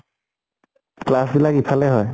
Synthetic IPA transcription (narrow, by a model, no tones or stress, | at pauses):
klasbilakipʰalɛɦɔj